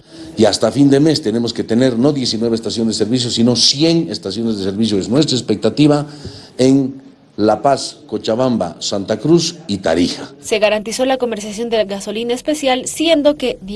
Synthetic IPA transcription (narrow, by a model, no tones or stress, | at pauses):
iast̪afind̪e̞me̞st̪e̞ne̞mo̞ske̞t̪e̞ne̞ɾno̞ðje̞sinwe̞βest̪asjo̞nd̪ese̞ɾβis̬josino̞sje̞nest̪asjo̞nezðese̞ɾβisjoeznwe̞s̬t̪ɾaespe̞k̚t̪at̪iβaen | lapasko̞t͡ʃaβamba̰sant̪akɾusit̪a̰ɾixase̞ɣaɾant̪iso̞lako̞meɾsjasjo̞nd̪eɣaso̞linaespe̞sjalsje̞nd̪o̞ke̞ð